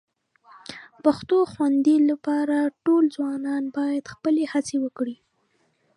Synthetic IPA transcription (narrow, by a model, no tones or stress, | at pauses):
paxt̪oxwand̪ilapɑɾaʈolzwɑnɑnbɑjad̪̥xpəlehat͡sewəkɽi